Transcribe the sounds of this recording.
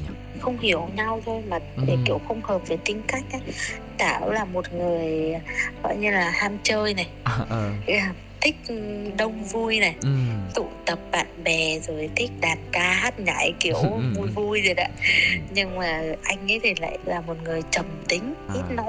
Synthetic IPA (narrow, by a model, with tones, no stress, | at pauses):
xə˧wŋ͡mhi˧˩əwɲa˧wvo˧jmə˨˩t̚ɗe˨˩kḭ˧˩əwxə˧wŋ͡mhəː˨˩p̚ve˨˩t̪ï˧ŋ̟ka˦˥jk̟̚ʔa˨˦ | t̪aː˧˩wlaː˨˩mo˨˩t̚ŋɨ˨˩əjɣɔ̰˧˨jɲɨ˧laː˨˩haː˧mt͡ɕəː˧jna˨˩j | aː˨˩ | t̪ʰï˦˥k̟̚ɗə˧wŋ͡mvu˧jna˨˩jt̪ṵ˧˨t̪ə˨˩p̚ɓa̰ː˧˨nɓɛ˨˩zo˨˩jt̪ʰï˦˥k̟̚ɗaː˨˩n̚kaː˧haː˦˥t̚ɲa̰ː˧˦jki˧˩əwvu˧jvu˧jzɨ˨˩k̚a̰ː˧˨˦ɲɨ˧ŋmaː˨˩ʔa˧jŋ̟ʔə˨˦jt̪ʰi˨˩la̰ː˧˨jlaː˨˩mo˨˩t̚ŋɨ˨˩əjt͡ɕə˨˩mt̪ï˨˦ŋ̟ʔi˦˥t̚nɔ˨˦j